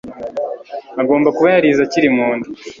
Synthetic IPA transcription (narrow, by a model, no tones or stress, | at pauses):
aɡo̞ːmbakuβajaɾizaciɾimuːndu